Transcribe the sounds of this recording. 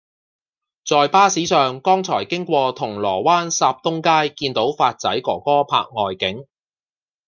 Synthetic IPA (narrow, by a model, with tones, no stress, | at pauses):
t͡sɔː˨˧jpaː˥siː˨˥sœː˨ŋkɔː˥ŋt͡sʰɔː˨˩jkɪ˥ŋkʷɔː˧t̪ʰʊ˨˩ŋlɔː˨˩waː˥nsaː˧p̚t̪ʊ˥ŋkaː˥jkiː˧nt̪o˨˥wfaː˧t̚t͡sɐ˨˥jkɔ̰ː˨˩kɔː˥pʰa̰ː˧k̚ŋɔː˨jkɪ˨˥ŋ